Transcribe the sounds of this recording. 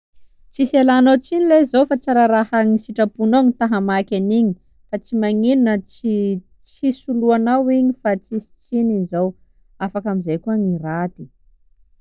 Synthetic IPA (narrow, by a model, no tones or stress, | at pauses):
t͡siselanowt͡sinilezofat͡saɾaɾahaŋisiʈ͡ʂapunoɲit̪aɦamakʲaniɲi | fat͡simaŋinunət͡si | t͡sisuluanawiɲifat͡sisi̥t͡sinizow | afakamizajkuaŋirat̪i